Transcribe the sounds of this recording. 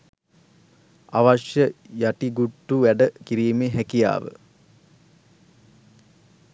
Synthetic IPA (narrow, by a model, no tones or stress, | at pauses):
aʋaʂjəjaʈiɡuʈːuʋæɖəkiɾiːmeɦækija̰ːʋə̰